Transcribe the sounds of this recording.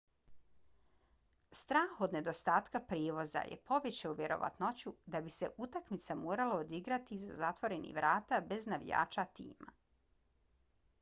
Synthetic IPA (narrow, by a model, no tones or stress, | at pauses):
st̪ɾaːxo̞d̪ne̞d̪o̞st̪aːt̪kapɾiːʋo̞za̰jḛpo̞ʋet͡ɕeuʋʲjeɾo̞̰ʋa̰t̪not͡ɕud̪abise̞ʔut̪akmit̪samoːɾalaod̪iɡɾat̪izazat̪ʋo̞ɾe̞nḭʋɾaːt̪abe̞znaʋija̰ːt͡ʃat̪ḭːma̰